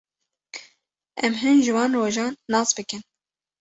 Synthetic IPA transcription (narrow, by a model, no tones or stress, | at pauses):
ɛmɦɨnʒɨwɑːnroːʒɑːnːɑːsbɨkɨn